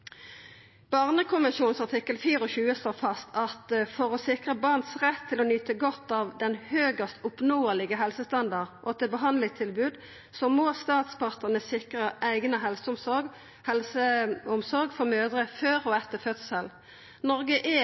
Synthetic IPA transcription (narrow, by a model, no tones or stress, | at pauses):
b̥ɑʁnəkʰʊməʃuːnsɑʁt̪ʰɪkːəlfiːɾɔçʉːəsloːfɑst̪ʰɑt̪fɔʁɔsɪkʁəbɑʁnsʁɛt̪ʰːɪlɔnyːt̪əɡɔt̪ːɑːʋd̪ɛnhøːɡəst̪ʊpnoːəlɪɡəɦɛlsəst̪ɑnd̪ɑʁʔɔt̪ʰɪbəɦɑnd̪lɪt̪ʰɪlbʉːd̪ | sɔmoːst̪ɑːt̪spʰɑʁt̪ənəsɪkʁəʔæɪɡnəɦɛlsəʊmsɔ | hɛlsəʊmsɔʁɡfɔʁmøːd̪ʁəføːʁɔɛt̪ːəfœt̪səl | nɔʁɡəʔɛ